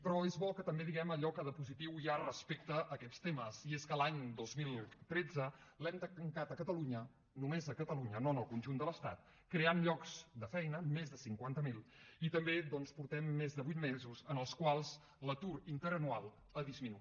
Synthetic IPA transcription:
pɾɔezβɔkət̪əmbeðiɣɛməʎɔkəðəpuzit̪iwiarəspek̚t̪əʔːkɛst̪eməsieskəlaɲd̪ozmilˠt̪ɾɛd͡zəlɛmt̪əəŋkat̪əkət̪əluɲə | numezəkət̪əluɲənonəlˠkunʲʒund̪ələst̪a̰t̪̚ | kɾeanʎɔkzd̪əfɛjnəmezðəsiŋkwant̪əmilˠit̪əmbed̪ɔnspuɾt̪ɛmːezðəβujt̪mezuzənəlˠskwalˠz | lət̪uɾint̪əɾənualˠ | əðizminui

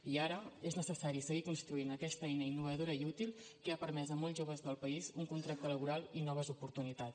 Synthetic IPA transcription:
iaɾəeznəsəsaɾisəɣikunst̪ɾuinəkɛst̪əɛjnəinːuβ̞əðoɾəiut̪ilˠ | kəapəɾmɛzəmɔlˠʒoβ̞əzðəlˠpəizuŋkunt̪ɾak̚t̪ələβuɾalˠinɔβ̞əzupuɾt̪unit̪a

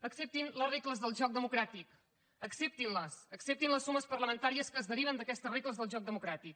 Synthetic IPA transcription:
əksep̚t̪inlərekləzðəlˠʒɔk̚d̪əmukɾat̪ik | əksep̚t̪inləsəksep̚t̪inləsːuməspəɾləmənt̪aɾiəskəːzðəɾiβ̞ənd̪əkɛst̪ərekləzðəlˠʒɔk̚d̪əmukɾat̪ik̚

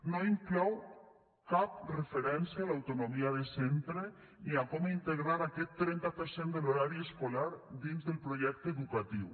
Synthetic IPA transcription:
noiŋklɔw | kap̚refeɾɛnsjalawt̪onomiaðesent̪ɾe | niakɔmint̪eɣɾaɾakɛt̪ːɾɛnt̪apeɾsend̪eloɾaɾieskolaɾd̪inzðelpɾoʒɛk̚t̪eðukat̪iw

